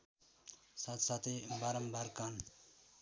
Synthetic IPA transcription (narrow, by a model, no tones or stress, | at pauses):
sat̪sat̪ebaɾəmbaɾkan